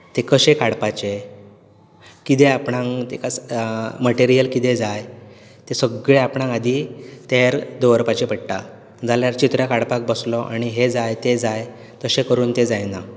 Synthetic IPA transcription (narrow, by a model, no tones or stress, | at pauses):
t̪ekəɕekaɽpat͡ɕe | kit̪eapɳãŋt̪ekat͡sməʈeɾijəlkit̪ed͡zajt̪esəɡɭeapɳãŋad̪ʱit̪eɾd̪əʋəɾpat͡ɕepəɽʈa̰ | d͡zaljaɾt͡ɕit̪ɾjakaɽpak̚bəslɔʔa̰ɽ̃iɦed͡zajt̪ed͡zaj | t̪əɕekəɾuːnt̪ed͡zajna